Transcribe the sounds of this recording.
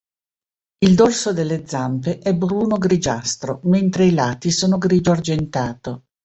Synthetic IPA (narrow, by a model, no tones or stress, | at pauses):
ild̪olsod̪elːed̪zːampeʔɛbɾuːnoɡɾid͡ʒa̰st̪ɾoment̪ɾeilaːt̪isoːnoɡɾiːd̪oard͡ʒent̪aːt̪o